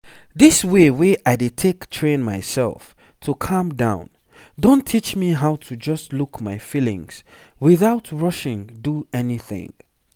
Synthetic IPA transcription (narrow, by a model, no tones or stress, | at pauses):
ðɪsweweʔaɪdɨtʰektʰɹ̥ẽnmaɪsɛ̰lˠf | tʰukʰʌ̃mdãʊ̃n | dõntʰit͡ʃmiɦaʊtʰud͡ʒʌstlukmaɪfilɪ̰̃ŋz̥ | wɪθaʊtʰɹʌʃɪ̃ŋduɛniθɪ̰̃ŋ